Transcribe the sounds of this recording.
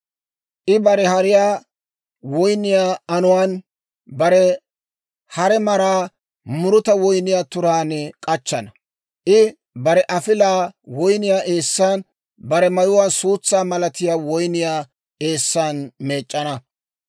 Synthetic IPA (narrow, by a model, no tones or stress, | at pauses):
ʔɪbɐɾɛhɐɾɪjaː | wɔjnɪjaːɐnʊwaːn | bɐɾɛ | hɐɾɛmɐɾaː | mʊɾʊt̪ɐwɔjnɪjaːt̪ʊɾaːnɛkʼɐt͡ʃːɐnɐ | ʔɪ | bɐɾɛʔɐfɪlaːwɔjnɪjaːʔeːsːaːn | bɐɾɛmɐjʊwaːsuːt͡sːaːmɐlɐt̪ɪjaːwɔjnɪjaː | e̞ːsːaːnme̞ːt͡ʃʼːɐnɐ